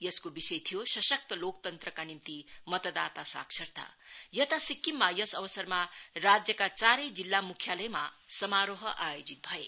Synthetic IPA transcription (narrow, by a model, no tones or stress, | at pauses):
jʌskobisʌjt̪ʰijosʌsʌk̚t̪ʌlok̚t̪ʌnt̪rʌkanimt̪imʌt̪ʌd̪at̪asa̰ksʰʌrt̪a̰jʌt̪asikːimːajʌsʌbʌsʌrmarad͡zjʌkat͡saɾʌjd͡zilːamukʰjalʌjmasʌmaɾoɦʌʔajod͡zit̪̚bʱʌe